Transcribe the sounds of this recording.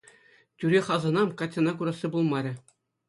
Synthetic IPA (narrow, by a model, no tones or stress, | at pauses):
tʲyɾʲeχɑzɤ̆nɑmkɑtʲːɤnɑkuɾɑsʲːibulˠmɑɾʲɘ̆